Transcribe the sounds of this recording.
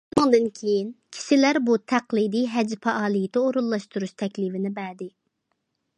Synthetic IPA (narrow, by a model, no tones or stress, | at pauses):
unɨŋd̪ɨnkʲʰejinkʲʰi̥ʃɪlæɾbut̪ʰæqlˠid̪ijɦɛd͡ʒpʰɛʔɑːlˠijit̪ɛoɾulˠːɑʃt̪uɾuʃt̪ʰɛkʲlivɪnɪbæd̪ɪ